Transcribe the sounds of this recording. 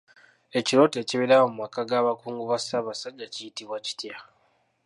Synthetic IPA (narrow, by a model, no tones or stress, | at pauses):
e̞ciɾo̞ːte̞ːciβeɾawomumakːaɡaːβakuːŋɡuβasaβasaɟːacijitiβwaci̥tja